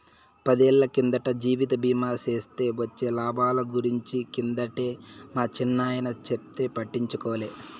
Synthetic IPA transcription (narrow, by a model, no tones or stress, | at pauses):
pɐd̪ɛːɭːɐkind̪ɐʈɐd͡ʒiːʋit̪̬ɐbiːmaːse̞ːst̪e̞ːʋɐt͡ʃːe̞ːlaːbʱaːlɐɡuɾiɲt͡ʃikind̪ɐʈe̞ːmaːt͡ʃinːaːjɐnɐt͡ʃep̚t̪e̞ːpɐʈːiɲt͡ʃukɔːleː